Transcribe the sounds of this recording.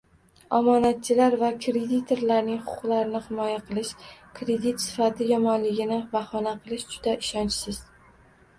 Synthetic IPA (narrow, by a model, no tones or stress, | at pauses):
ɒmɒnat̪̚t͡ʃʰɪlaɾvakʰɾe̞d̪it̪ʰe̞ɾlaɾnɪŋχʊ̥ʊ̥qlˠaɾɪnɪhɪmɒjaqʰɨlˠɪʃkʰɾe̞d̪it̪sɪ̥fat̪ʰɪjɒmɒnlɪɡʲɪnɪbahɒnaqʰɨlˠɪʃd͡ʒʊd̪aʔɪʃɒnt͡ʃsɪz̥